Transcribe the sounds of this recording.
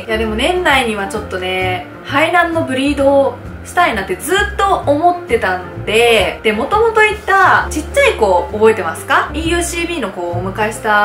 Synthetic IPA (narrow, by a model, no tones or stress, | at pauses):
jad̪e̞mo̞nẽ̞nːaiɲ̟iβ̞at͡ɕo̞t̪ːo̞ne̞ | haid̪ãnːo̞bɯ̟ɾʲiːd̪o̞ː | ɕi̥t̪ainat̪ːe̞d͡zɨːt̪ːo̞omo̞t̪ːe̞t̪ãnd̪e̞d̪̥e̞mo̞t̪o̞mo̞t̪o̞it̪ːat͡ɕit͡ɕːaiko̞ːbo̞e̞t̪e̞masɨ̥kaiːjɯ̟ːɕiːbʲiːno̞ko̞ːmɯ̟kaeɕi̥t̪a